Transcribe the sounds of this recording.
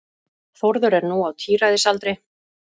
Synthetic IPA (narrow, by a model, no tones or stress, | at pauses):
θɔɾðʏɾɛɾnuawt̪ʰiːɾajðɪsalt̪ɾɪj